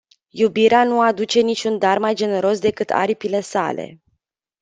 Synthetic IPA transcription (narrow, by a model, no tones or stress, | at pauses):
jubiɾeanuad̪ut͡ʃe̞nit͡ʃʲund̪armajd͡ʒe̞ne̞ɾo̞sd̪e̞kɨt̪ʰa̰ɾipile̞sa̰le̞̰